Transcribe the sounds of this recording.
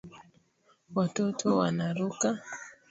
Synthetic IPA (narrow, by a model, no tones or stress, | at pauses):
watɔtʰɔwa̰naɾuka